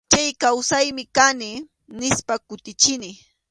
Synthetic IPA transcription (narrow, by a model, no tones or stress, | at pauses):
t͡ʃajkawsajmɪkanɪ | nɪspakʊt̪ɪt͡ʃɪnɪ